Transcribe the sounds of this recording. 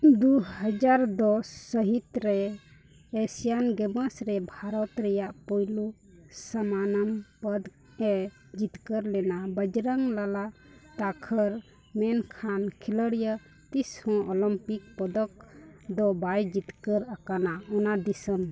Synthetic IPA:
d̪uhəd͡ʒaɾd̪ɔsːəɦit̪ɾɛː | sijanɡɛməsɾɛbʱaɾɔt̪ɾɛjaʔpɔjlu | samanəmpəd̪ | ɛ | d͡ʒit̪kəɾlɛnabəd͡ʒɾəŋlalaʔt̪akʰəɾ | mɛnkʰankʰiləɽjə | t̪ishɔ̃ʔɔlɔmpik̚pɔd̪ɔk̚d̪ɔbajd͡ʒit̪kəɾakanaɔnad̪isəm

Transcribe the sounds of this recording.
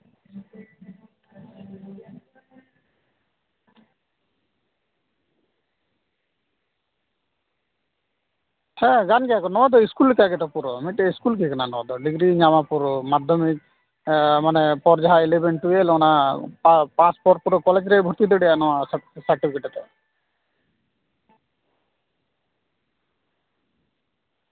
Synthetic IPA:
hɛɡanɡɛjakɔnɔwad̪ɔiskulːikaɡɛt̪ɔpuɾɔmiʈɛiskulkikananɔwad̪ɔɖiɡɾiɲamapuɾɔmad̪ʱjɔmik̚ | manɛpɔɾd͡ʒaɦaɛlɛbɛɳʈujelɔnapapaspɔɾ̚puɾɔkɔlɛd͡ʒɾɛbʱɔɾt̪id̪ɔɖɛjanɔwasaɾʈipʰikɛʈɛt̪ɔ

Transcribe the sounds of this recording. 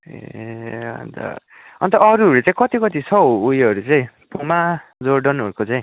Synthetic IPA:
ḛʌ̰nt̪ʌ̰ | ʌ̰nt̪ʌʌɾuɦʌɾut͡saĩkʌt̪ikʌt̪isʰʌujʌɾut͡saĩpomad͡zoɾɖʌnʌɾukot͡saĩ

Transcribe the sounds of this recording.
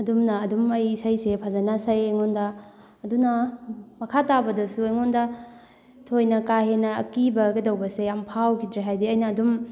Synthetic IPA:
ɐdumnɐːdumɐjisɐjsepʰazɐnasɐjajŋondɐː | dunɐmɐkʰatabɐdɐsuɐjŋondɐ | tʰojnɐkaɦenɐ̰ːkibɐɡedɐwbɐseampʰawkʰidɾeɦajdiɐjnɐːdum

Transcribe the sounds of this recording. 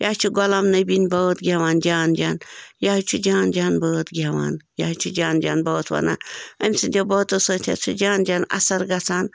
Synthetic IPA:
jaːt͡ʃʰuɡɔlamnɐbinbɐt̪ɡʲaʋaːnd͡ʒaːnd͡ʒaːnjaːit͡ʃʰud͡ʒaːnd͡ʒaːnbəːt̪ɡʲaʋa̰ːnjaːt͡ʃʰud͡ʒaːnd͡ʒa̰ːnbɐːt̪ʰʋɐ̰na̰ːɐmʲsɨnd̪ʲeboːt̪osoːt̪ʰʲa̰t͡sʰud͡ʒaːnd͡ʒaːnɐ̰sɐɾɡɐt͡sʰaːn

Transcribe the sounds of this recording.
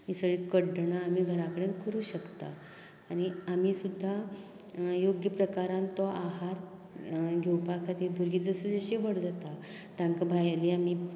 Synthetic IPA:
isəɭikəɽɳaːm̤iːɡʱəɾakəɽenkəɾuːɕəkt̪a̰ː | ɽ̃iam̤iːsud̪ʱːa | joɡjəpɾəkaɾãnt̪ɔʔaɦaɾ | ɡʱewpakʰat̪ibʱuɾɡiːd͡zəsəd͡zəɕiːʋəɽd͡zat̪a | t̪jãŋkabʱajaliːam̤iː

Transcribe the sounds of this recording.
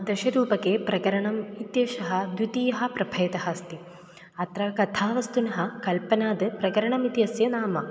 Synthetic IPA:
d̪ɐʃɐɾuːpɐkeːpɾʔɐkɐɾɐɳɐmit̪jɐːʃɐɦɐ̆d̪jut̪iːjɐɦɐ̆pɾɐbʱɐjɐt̪ɐhɐst̪i | ɐt̪ɾɐkɐt̪ʰaːʋɐst̪unɐɦɐ̆kɐlpɐnaːd̪ɨpɾɐkɐɾɐɳɐmit̪jɐsjɐnaːmɐ

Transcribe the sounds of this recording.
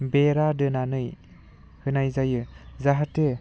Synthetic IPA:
beɾadɯnanɯj | hɯnajzajɯzaɦatɯ

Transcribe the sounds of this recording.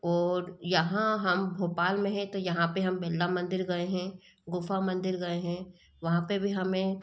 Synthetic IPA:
ɔːɾjɐɦãɦɐmbʱoːpaːlmẽɦɛ̃t̪ojɐɦãpeɦɐmbeːlːamɐ̃nd̪ɪɾɡɐeɦɛ̃ | ɡʊfamɐ̃nd̪ɪɾɡɐeɦɛ̃ | ʋɐɦãpebʱiɦɐmẽ

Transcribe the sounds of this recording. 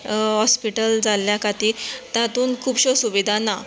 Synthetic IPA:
ɦɔspiʈəld͡zalːjakat̪iːɾt̪jãt̪uːnkʰuːbɕosuʋid̪ʱana

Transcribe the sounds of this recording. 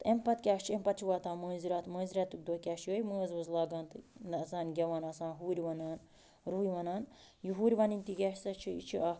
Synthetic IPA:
t̪empɐt̪kʲaːʃt͡ʃʰempɐt̪t͡ʃʰiʋaːt̪ãːmɐːziɾaːt̪mɐːnziɾɐːt̪ːuk̚d̪oːkʲaːʃjoːjməːzʋɐzlaːɡaːnt̪ɨnɐsaːnɡʲɐʋaːnɐsãːnɦuːɾʲʋɐnaːn | ɾuːjʋɐnaːn | juɦuːɾʲʋɐninʲt̪iɡʲɛːʃsɐt͡ʃʰiḭt͡ʃʰiʔa

